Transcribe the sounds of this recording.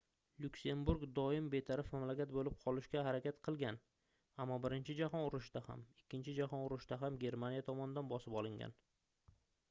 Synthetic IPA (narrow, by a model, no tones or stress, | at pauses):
lʊkʲse̞mbuɾɡd̪ɒɪmbe̞t̪ʰaɾɪfmamlakʲat̪̚bolɪp̚qʰɒlˠɪʃkʲaɦaɾakʲat̪qʰɨlˠɡʲan | amːɒbɪɾɪnt͡ʃʰɪd͡ʒahɒnʊɾʊʃd̪aha̰mɪkʲʰːɪnt͡ʃʰɪd͡ʒahɒnʊɾɪʃd̪aɦamɡʲe̞ɾmanijat̪ʰɒmɒnɪd̪anbɒsɪpɒlˠɪŋɡʲa̰n